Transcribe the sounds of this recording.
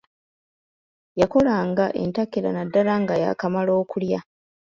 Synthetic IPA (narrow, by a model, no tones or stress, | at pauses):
jako̞laːŋɡaʔe̞̰ntakːela̰nadːalaŋɡaja̰kamalo̞ːkulja